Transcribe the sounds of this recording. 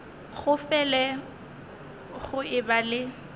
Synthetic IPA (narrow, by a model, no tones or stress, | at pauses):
ɣʊfɛlɛ | ɣʊɪbalɪ